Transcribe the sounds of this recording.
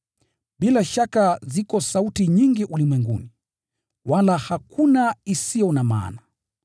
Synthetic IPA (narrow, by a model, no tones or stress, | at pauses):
ɓilaʃakazikɔsautiɲiŋɡiʔulimwɛŋɡṵni | walahakunaisijɔnama̰ːna